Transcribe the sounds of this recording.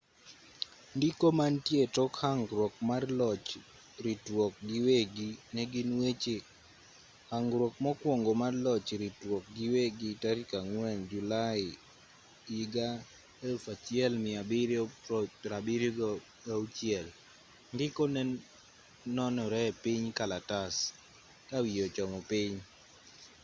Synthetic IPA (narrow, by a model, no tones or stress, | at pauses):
ndɪkɔmantjetɔkhaŋɡɾwɔk̚marlɔt͡ʃ | ɾitwɔk̚ɡiweɡinɛɡɪnwet͡ʃe | haŋɡɾwɔk̚mɔkwɔŋɡɔmarlɔt͡ʃɾitwɔk̚ɡɪweɡitaɾkaŋwɛnd͡ʒulaɪ | iɡa | elfat͡ʃjɛlmɪabɪɾjɔpɾabɪɾjo | aut͡ʃjɛl | ŋɡɪkɔnɛ | nɔnɔɾɛpɪɲkalatas | kawijot͡ʃɔmɔpɪɲ